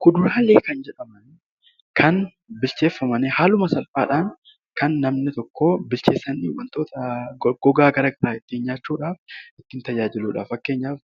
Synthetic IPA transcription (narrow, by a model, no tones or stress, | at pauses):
kʊd̪ʊɾaːleːkɐnd͡ʒɛᶑɐmɐn | kʰɐn | bɪlt͡ʃeːfːɐmɐnɛhaːlʊmɐsɐlfa̰ːᶑaːŋ | kɐnːɐmnɪt̪ɔkːoːbɪlt͡ʃe̞ːsːɐnːɪwɐnt̪o̞ːt̪ɐɡ̥ɔɡaːɡɐɾɐɡɐɾaːɪt̪ːɪɪnɲaːt͡ʃːuːᶑaːfɪt̪ːɪnt̪ɐd͡ʒaːd͡ʒɪluːᶑa̰ːfɐkːe̞ːɲːaːf